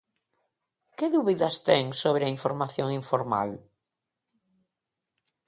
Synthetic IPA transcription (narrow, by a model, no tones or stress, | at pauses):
kɪðuβiðɐst̪ɛŋsoβ̞ɾɪɐiɱfoɾmaθjoŋiɱfoɾma̰l